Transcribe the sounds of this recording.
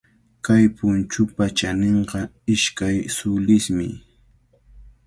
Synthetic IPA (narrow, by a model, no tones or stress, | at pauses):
kajpʊnt͡ʃʊpat͡ʃaneɴɢɑ | ɪʃkajsʊlɪsmɪ̰